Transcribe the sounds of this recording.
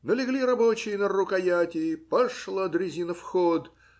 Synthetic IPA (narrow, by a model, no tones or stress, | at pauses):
nəlʲɪɡlʲiɾɐbot͡ɕɪjənərʊkɐjatʲɪɪpɐʂlˠəd̪ɾʲɪzʲinəfxod̪